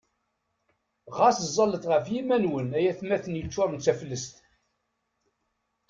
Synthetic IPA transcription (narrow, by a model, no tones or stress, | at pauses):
ʁɑszˤːɑlət̪ʁəfjimænwənæjæθmæθənjət͡sːʊɾˤənt͡sːæfəlːəst̪